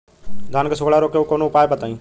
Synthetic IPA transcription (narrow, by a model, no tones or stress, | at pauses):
d̪ʱaːnkəsʊɡɽaːɾoːkeukonõːpaːjpət̪aːĩː